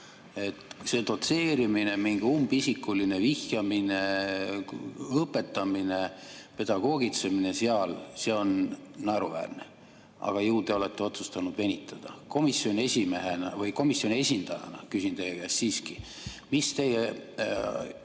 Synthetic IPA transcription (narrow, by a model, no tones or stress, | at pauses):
e̞t̪se̞t̪o̞t̪se̞ːɾimine̞miŋɡ̥iumb̥isikːˑuline̞vihjɑmine̞ | ɤpːˑe̞t̪ːˑɑmine̞pe̞d̪̥ɑɡ̥o̞ːɡit̪se̞mine̞seɑlse̞o̞nːæɾuvæ̰ːrnḛ | ɑ̰ɡ̥ɑjuːd̪̥e̞o̞le̞t̪ːe̞o̞t̪sust̪ɑnud̪̥ve̞nʲit̪ʰˑːɑd̪̥ɑ̰ko̞misjo̞nʲe̞sʲimeɦenɑvɤjko̞misjo̞nʲie̞sʲind̪̥ɑjɑ̰nɑ̰kysint̪ejekæssiːski | mist̪e̞je